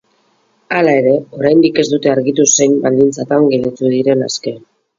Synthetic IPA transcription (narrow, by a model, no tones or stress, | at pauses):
alae̞ɾe̞o̞ɾajnd̪ike̞zd̪ut̪e̞aɾɣit̪use̞jmbald̪int͡sat̪aŋɡelet̪uðiɾe̞na̰ske̞